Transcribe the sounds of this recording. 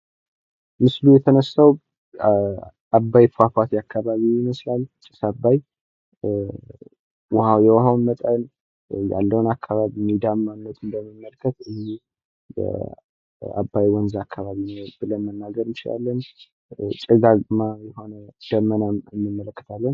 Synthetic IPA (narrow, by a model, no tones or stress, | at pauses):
mɨslujɛt̪ʰənəsaw | abːajfafat̪jakʰːaβaβiɪməslalt͡ʃʼɪ̥sabaj | whajɛwhawnmət̪ʼən | ja̰lːəwnakʰːaβaβimid̪aanːət̪ʼɨnd̪əməmːəlkʰːət̪ɨzi | jɛ̰ | a̰bːajwɔnzakʰːaβaβinəwbɨlənmənːaɡəɾnt͡ʃɪla̰lːən | t͡ʃʼɨɡaɡmajɛho̞nəd̪̥əmːənaɨnːɨmːələkːə̥t̪ʰalːən